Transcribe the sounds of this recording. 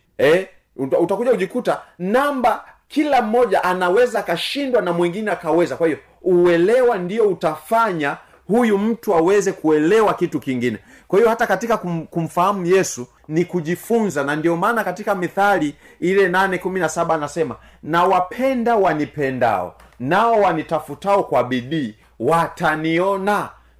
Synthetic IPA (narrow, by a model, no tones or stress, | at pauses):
ɛ | uutakuʄauʄikutanamba | kilam̩ːɔʄaʔanawɛzaːkaʃindwanamwɛŋɡinɛakawɛzakwahijɔ | uɛlɛwandiɔutafaɲa | hujum̩tuawɛzɛkuɛlɛwakitukiŋɡinɛ | kwahijɔhatakatikakukum̩fahamujɛsu | nikuʄifunzanandiɔmaːnakatikamiθali | ilɛnanɛkuminasaɓaːnasɛma | nawapʰɛndawanipɛnda̰ɔ̰naɔwanitafutaɔkwaɓiɗiː | wataniɔna